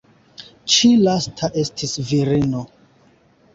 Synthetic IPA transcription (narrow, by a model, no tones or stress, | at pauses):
t͡ʃilastʰaʔe̞stʰisviɾino